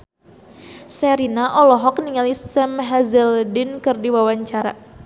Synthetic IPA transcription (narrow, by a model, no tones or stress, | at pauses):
sɛɾinaʔɔlɔɦɔk̚niŋalissɛmɦazɛldɪnkɨrdiwawaɲt͡ʃaɾa̰